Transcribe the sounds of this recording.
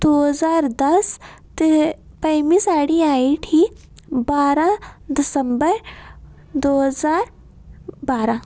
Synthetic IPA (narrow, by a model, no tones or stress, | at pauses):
d̪̥oːɦzaːɾd̪ɐst̪pɐjmisaːɽiaːiʈʰi | baːɾãd̪ɪsəmbəɾ | d̪oːɦzaːɾ | baːɾãː